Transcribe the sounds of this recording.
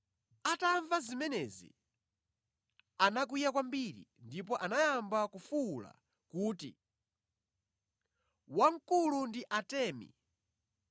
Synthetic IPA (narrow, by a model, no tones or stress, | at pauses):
ataɱvazimɛnɛzḭ | anak̬ujakwambiɾḭndip̬ɔʔanajambakufuːla̰ | kuːtḭ | waŋ̩kulundiʔatɛːmḭ